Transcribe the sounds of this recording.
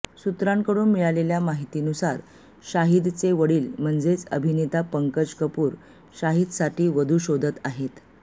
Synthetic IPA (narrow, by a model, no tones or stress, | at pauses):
sut̪ɾaŋkəɽuːnmiɭaleljamaɦit̪iːnusaɾ | ɕaɦid̪t͡seʋəɽiːlm̤əɳd͡zet͡sə̰bʱinet̪apəŋkəd͡ʑkəpuːɾ | ɕaɦid̪saʈʰiːʋəd̪ʱuːɕod̪ʱət̪aɦet̪